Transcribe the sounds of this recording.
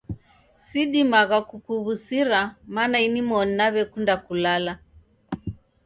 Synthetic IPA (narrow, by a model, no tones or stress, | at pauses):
siɗimaɣakukuβusiɾamanainimɔnːaβɛkundakulala